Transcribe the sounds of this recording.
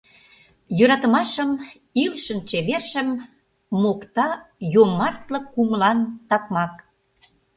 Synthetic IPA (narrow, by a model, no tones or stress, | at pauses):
jøɾɑt̪əmɑʃəm | ilʃə̆nt͡ɕeβerʃə̆mː | okt̪ɑjomɑrt̪lə̆kːuməlɑnt̪ɑkmɑk